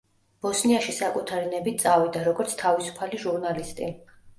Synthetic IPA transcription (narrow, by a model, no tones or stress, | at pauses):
b̥ɔsniaʃisakʼut̪ʰaɾinɛbit̪̚t̪sʼavid̪aɾɔɡɔɾt̪sʰt̪ʰavisu̥pʰaliʒuɾnalist̪ʼḭ